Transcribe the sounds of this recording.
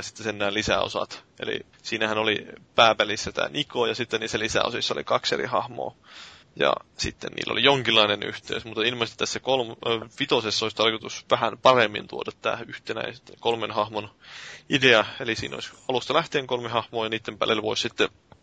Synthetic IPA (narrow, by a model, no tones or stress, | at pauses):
si̥t̪ːesenːæːnlisæ̰o̰sɑ̰t̪ḛlḭ | siːnæhænolipæːpælisːæt̪æ̰ːnʔikojɑsit̪ːeniːsːælisæ̰o̰sisːɑolḭkɑksḛrḭhɑhmo̰ː | jɑ̰sḭt̪ːḛnnḭːlːo̰lijoŋkilːˑɑineny̰ht̪ḛysmut̪ːɑilmɑst̪i̥t̪æsːækolmpit̪osesːoisʲt̪ɑrkot̪usʋæhænpɑremːḭnt̪uodɑt̪tːæ̰ːyht̪enæ̰ist̪kolmenhɑhmonideɑelisḭːno̰isɑlust̪ɑlæht̪eːŋkolmehɑhmoːjɑniːt̪ːempæ̰lːelʋoissit̪ːe